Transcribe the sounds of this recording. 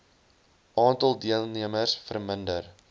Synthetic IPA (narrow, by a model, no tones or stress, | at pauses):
ʔɑːntɑlˠdiəlˠniəmərsfərməndər